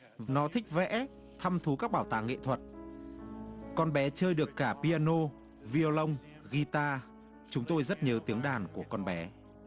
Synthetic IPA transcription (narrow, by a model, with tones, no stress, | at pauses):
nɔ˨˦t̪ʰï˦˥k̟̚vɛ̰˧˥ | t̪ʰa˧mt̪ʰu˨˦kaː˦˥k̚ɓaː˧˩wt̪a̰ː˧˨ŋḛ˧˨t̪ʰwə˨˩t̚ | kɔ˧nɓɛ˨˦t͡ɕəː˧jɗɨ˨˩əkːaː˧˩pi˧aː˧no˧ | vi˧o˧lə˧wŋ͡m | ɣi˧t̪aː˧ | t͡ɕʊ˨˦ŋ͡mt̪o˧jzə˦˥t̚ɲəː˨˦t̪i˨˦əŋɗaː˨˩nku˧˩əkɔ˧nɓɛ˨˦